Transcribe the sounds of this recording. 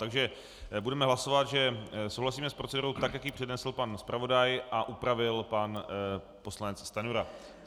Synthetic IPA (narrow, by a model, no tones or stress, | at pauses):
t̪aɡʒɛ | budɛmɛɦlaso̞vat̪ʒɛsowɦlasiːmɛspɾot͡sɛduɾowt̪akjakjipr̝̥ɛdnɛsl̩panspɾʔavo̞dajʔaʔupɾavɪlpan | poslanɛt͡sst̪anuɾa